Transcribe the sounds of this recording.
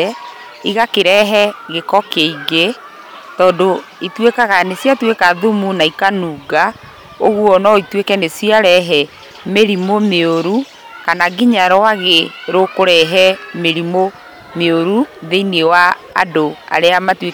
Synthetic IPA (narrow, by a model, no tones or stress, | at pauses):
iɣakeɾɛɦɛɣekɔkeiɡe | tɔːdoitwekaɣanesjatwekaðomunaikanuːɡa | oɣuɔnɔitwekɛnesiaɾɛɦɛ | meɾimomeoɾu | kanaɡiɲaɾɔwaɣeɾokoɾɛɦɛmeɾimo | meoɾuðeinewa̰ː | doa̰ɾeamatwe